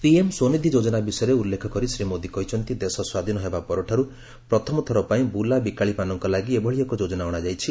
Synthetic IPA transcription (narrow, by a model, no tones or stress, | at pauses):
piemsonid̪ʱid͡ʒod͡ʒɔnabisɔjɔɾeulːekʰɔkɔɾisɾimod̪ikɔit͡ʃʰɔnt̪id̪esɔswad̪ʱinɔɦebapɔɾɔʈʰɔɾu | pɾɔt̪ʰɔmɔt̪ʰɔɾɔpaĩbulabikaɭipanɔŋkɔlaɡiebʱɔɭiɔkɔd͡ʒod͡ʒɔnaɔɽ̃ad͡ʒajt͡ʃʰi